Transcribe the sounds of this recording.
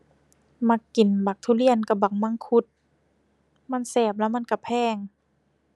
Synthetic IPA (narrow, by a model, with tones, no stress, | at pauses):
ma˧˩kːi˨˩nba˨˩k̚t̪ʰuː˧˩˨li˧˩ənka˧˩ba˨˩k̚ma˧˥˨ŋkʰu˧˦t̪̚ | ma˧˥˨nsɛː˨˩p̚la˧˥wma˧˥˨nka˧˩pʰɛː˧˩ŋ